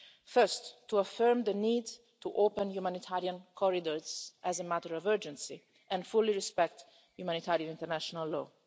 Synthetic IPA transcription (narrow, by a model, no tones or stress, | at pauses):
fɜ˞stːuafɜɹmd̪əniːd | t̪uʔopə̃njumãnit̪ʰaɾiãnkʰɔɹid̪ɔɹzʔæzəmæt̪əɹɔvɜ˞d͡ʒə̃nsi | ʔɛ̃nfuliɹispɛk̚t̪ | jumãnit̪ʰaɾiãnĩnt̪əɾnæʃɔnalːɔː